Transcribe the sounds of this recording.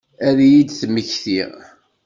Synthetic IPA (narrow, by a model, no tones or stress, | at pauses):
æðjid̪θməçθiʁ